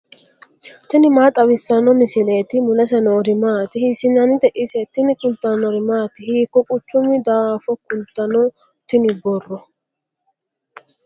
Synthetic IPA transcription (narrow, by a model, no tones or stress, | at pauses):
t̪ɪnɪmaːt̪ʼɐwɪsːɐnɔmɪsɪleːt̪ɪmʊlɐs̬ɛnɔːɾɪmaːt̪ɪhisɪnɐnɪd̪ɛʔɪsɛt̪ːɪnɪkʊlt̪ːanɔɾɪmaːt̪ɪhiːkːɔkʼʊt͡ʃːʊmɪd̪aaːfɔkːʊnt̪ːɐnɔ | t̪ɪnɪbɔrːɔ